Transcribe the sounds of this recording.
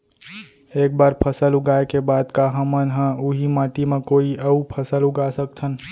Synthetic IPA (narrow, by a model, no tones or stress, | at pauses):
ek̚baɾpʰəsəluɡaekebad̪kaɦəmənɦə̃uɦimãʈimekoiəupʰəsəluɡasək̚t̪ʰən